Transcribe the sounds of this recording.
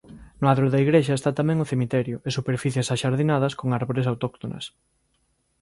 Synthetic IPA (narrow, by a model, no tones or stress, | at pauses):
nʊaðɾʊðɐiɣɾeʃɐest̪at̪amɛ̃ŋʊθemit̪ɛɾjʊesupeɾfiθjesaʃaɾðinaðɐskoŋaɾβoɾes̬awt̪ɔk̚t̪onɐ̰s